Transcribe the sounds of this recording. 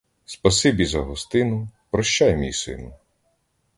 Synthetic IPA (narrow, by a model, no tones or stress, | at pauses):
spɐsɪbʲizɐɦɔst̪ɪnʊpɾɔʃt͡ʃajmʲijsɪ̰nʊ